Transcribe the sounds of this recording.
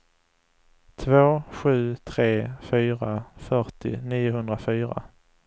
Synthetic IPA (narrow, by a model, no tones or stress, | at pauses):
t̪ʰvoːɧʉ̟ːt̪ʰɾeːfyːɾafœʈɪ̰niːʊɦɵnd̪ɾafyːɾa̰